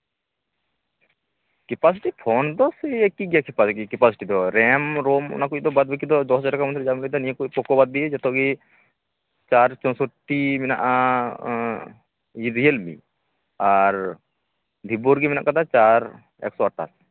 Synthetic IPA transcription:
kɛpas̬iʈipʰɔnd̪ɔsiekiɡijakipasikikɛpasiʈid̪ɔɾɛmɾomɔ̰nakuʔd̪ɔbad̪̚bikid̪ɔd̪ɔt͡ʃɔʈakamɔnt̪ɾd͡ʒamlid̪aniẽkupɔkɔbad̪̚ːied͡ʒɛt̪ɔɡi | t͡ʃaɾt͡ʃɔnsɔʈimina̰ʔa | id̪iɦelmḭ | aɾ | d̪ʱiboɾɡiminaʔkad̪at͡ʃaɾ | ɛ̰ksɔaʈːa̰s

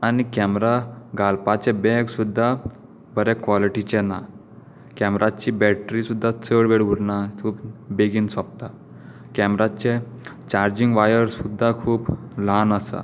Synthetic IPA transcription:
anikɛmɾaɡalpat͡ɕebɛɡsud̪ʱːa | bʱəɾɛkʋɔliʈit͡ɕɛna | kɛmɾʔat͡ɕiːbɛʈɾisud̪ʱːat͡səɽʋeɽʋuɾnakʰuːpbeɡiːnsɔp̚t̪a | kɛmɾat͡ɕe | t͡ɕaɾd͡ʑiŋɡʋajəɾsud̪ʱːakʰuːplanəsa̰

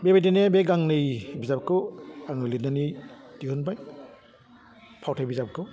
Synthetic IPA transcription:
bebajdinebeɡaŋnɯjbizab̚kɯaŋɯlitnanidikʰɯnbaj | pʰawtʰajbizapkʰɯ

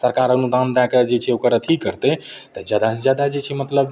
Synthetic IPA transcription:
səɾkaɾənud̪and̪aked͡ʒet͡ʃʰɛokəɾət̪ʰikːəɾt̪et̪əd͡ʒjad̪ad͡ʒjad̪ad͡ʒet͡ʃʰɛmət̪ləb

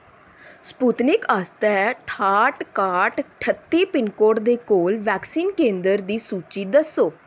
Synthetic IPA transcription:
spuːt̪nɪkaːst̪ɛːʈʰaːʈkaːʈʈʰət̪ːiːpɪnkoːʈd̪eːkoːlʋɛːksiːnkẽːnd̪əɾd̪iːsuːt͡ʃiːd̪əsoː

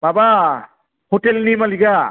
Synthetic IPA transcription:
baba | hotelnimaliɡa

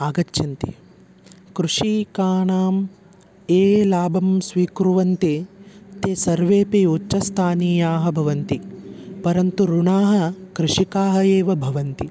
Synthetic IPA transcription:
aːɡɐtːʃɐnt̪ḭ | kɾuʂikaːɳaːm | eːlaːbʱɐmsʋiːkɾuʋɐnt̪eːt̪eːsɐɾʋeːpeutːʃɐst̪ʰaːniːjaːɦɐ̆bʱɐʋɐnt̪ipɐɾɐnt̪uɾuɳaːɦɐ̆kɾɪʂikaːɦɐeːʋɐbʱɐʋɐnt̪i

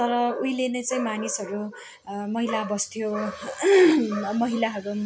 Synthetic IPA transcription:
t̪ʌɾʌujlenʌt͡saĩmanisʌɾu | mʌɦilabʌst̪ʰijo | mʌɦilaɦʌɾu

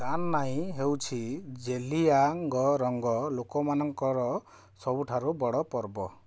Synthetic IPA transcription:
d̪anːaĩɦewt͡ʃʰid͡ʒeliaŋɡɔɾɔŋɡɔlokɔmanɔŋkɔɾɔ | sɔbuʈʰaɾubɔɽɔpɔɾbɔ

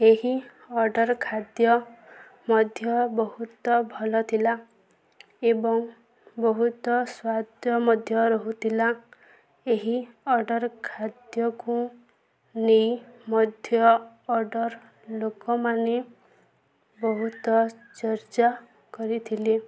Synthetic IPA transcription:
eɦi | ɔɾɖɔɾkʰad̪jɔ | mɔd̪ʱjɔbɔɦut̪ɔbʱɔlɔt̪ʰila | ebɔŋ | bɔɦut̪ɔswad̪ʱjɔmɔd̪ʱjɔɾɔɦut̪ʰila | eɦiɔɾɖɔɾkʰad̪jɔku | nejmɔd̪ʱjɔː | ɾɖɔɾ | lokɔmane | bɔɦut̪ɔ | t͡ʃɔɾt͡ʃa | kɔɾit̪ʰili

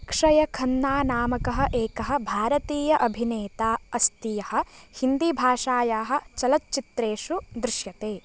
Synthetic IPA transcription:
kʂɐjɐkʰɐnːaːnaːmɐkɐɦɐ̆ʔeːkɐɦɐ̆bʱaːɾɐt̪iːjɐʔɐbʱineːt̪aːɐst̪ijɐhɐ̆hind̪ibʱaːʂaːjaːɦɐ̆t͡ʃɐlɐtːt͡ʃit̪ɾeːʂud̪ɾɪʃjɐt̪eː

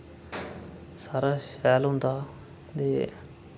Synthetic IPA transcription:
saːɾaːʃɛːlɦʊ̃nd̪aː | d̪eː

